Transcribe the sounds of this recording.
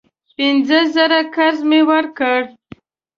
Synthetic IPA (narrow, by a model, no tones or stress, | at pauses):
pɪnzəzəɾakaɾzmewəɾkəɽ